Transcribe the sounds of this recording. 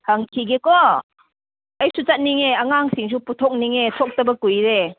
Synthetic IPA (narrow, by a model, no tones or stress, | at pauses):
haŋkʰiɡekɔ | ɐjsut͡ʃɐt̚niŋeɐŋaŋsiŋs̬uputʰɔk̚niŋetʰɔk̚tɐbɐkujɾe